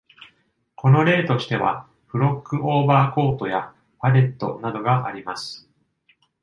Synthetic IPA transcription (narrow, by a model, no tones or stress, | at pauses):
ko̞no̞ɾe̞ːt̪o̞ɕi̥t̪e̞βa̰ | ɸɯ̟ɾo̞kːɯ̟ʔo̞ːbaːko̞ːt̪o̞ja | paɾe̞t̪ːo̞̰nad̪o̞ɡaʔaɾʲimasɨ̥